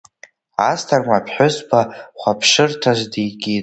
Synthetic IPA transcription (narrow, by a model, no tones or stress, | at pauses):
astʰarmʷapʰħᶣʊsbʰaχʷapʰʂɨrtʰazdijɡʲi